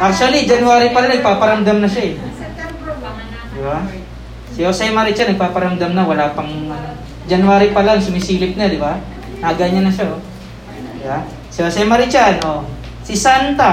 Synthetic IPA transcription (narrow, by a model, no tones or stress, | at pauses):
ʔak̚t͡ʃuɐlid͡ʒɐnʊaːɾipɐlaŋnɐɡ̚paːpɐɾɐmd̪amnɐʃaɛ | d̪ɪba | sɪosɛjmɐɾɪt͡ʃanɐɡ̚paːpɐɾɐmd̪amnɐwɐlaːpɐŋ | d͡ʒɐnʊwaːɾipɐlaŋsʊmɪsiːlɪp̚nad̪ɪba | naɡaɲɐnːɐʃao | d̪ɪba | sɪosɛmɐɾɪt͡ʃanʔo | sɪsant̪a